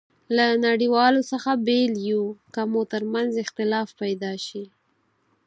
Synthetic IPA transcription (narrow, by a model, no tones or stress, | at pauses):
lanaɽiwɑlosəxabeljukamot̪əɾmanzɪxt̪ɪlɑfpajd̪ɑʃi